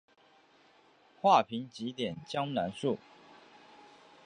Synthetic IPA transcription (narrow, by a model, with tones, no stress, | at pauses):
xwa˥˩pʰi˧˥ŋt͡ɕi˧˥t̪jɛ˨˩nt͡ɕjɑ˥ŋna˧˥nʂu˥˩